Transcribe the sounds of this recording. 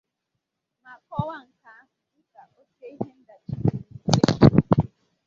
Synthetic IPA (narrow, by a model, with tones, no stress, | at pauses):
ma˨kɔ˦wa˦ŋ̩˨ka˨a˦ɦʊ˨ɪ˦ka˨ʔo˦se˦i˦ɦe˦n̩˦da˨t͡ʃi˦ke˦e˦˨˦